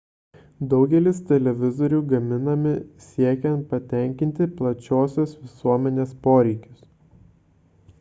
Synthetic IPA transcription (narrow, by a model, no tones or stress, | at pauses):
d̪ɒʊɡʲɛlʲɪst̪ʲɛlʲɛʋʲɪzɔɾʲuːɡɐmʲɪnɐmʲɪsʲiɛkʲɛ̃nt̪̚pɐt̪ʲɛˑŋʲkʲɪnʲt̪ʲɪplˠɐt͡ʃʲoːsʲʊsʋʲɪsuɔmʲɛnʲeːspoːɾʲɛɪkʲʊs